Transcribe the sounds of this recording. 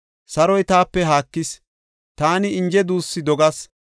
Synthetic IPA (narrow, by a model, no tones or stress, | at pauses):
sɐɾɔjt̪aːpːɛɦaːkːɪs | t̪aːnɪɪnd͡ʒɛd̪uːsːɪd̪ɔɡɐs